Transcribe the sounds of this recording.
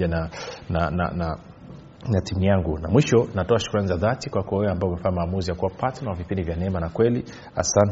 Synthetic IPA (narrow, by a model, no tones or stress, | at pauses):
ananana̰na | natimujaŋɡunamwiʃɔnatɔaʃu̥kuɾanizaðatikwakɔwɛwɛambaɔumɛfaɲamaːmuzijakuwapatanawavipindivjanɛɛmanakwɛli | a̰san